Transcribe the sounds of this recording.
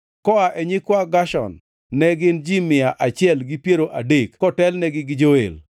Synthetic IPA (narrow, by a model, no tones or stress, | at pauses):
kɔaʔɛɲɪkwaɡaʃɔ̰nː | ɛɡɪnd͡ʒimɪaʔat͡ʃɪɛlɡɪpjeɾoʔadekkɔtɛlnɛɡɪɡɪd͡ʒoḛl